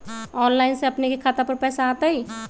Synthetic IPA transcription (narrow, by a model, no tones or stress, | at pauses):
ɔːnlaːɪnseɐpnekekʰaːt̪apəɾpɛːsaːt̪aɦiː